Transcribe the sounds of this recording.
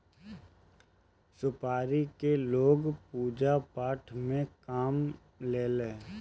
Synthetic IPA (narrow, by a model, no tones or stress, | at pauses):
sʊpaːɾikeloːɡpuːd͡ʒapaːʈʰmẽkaːm | leːle